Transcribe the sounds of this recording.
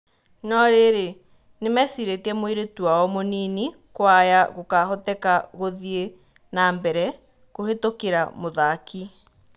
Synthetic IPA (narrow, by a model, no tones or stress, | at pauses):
nɔɾeɾe | nemɛsiɾetiɛmoiɾetuaɔmonini | kwajaɣokaɦɔtɛkaɣoðie | naːmbɛɾɛ | kohetokeɾamoðaki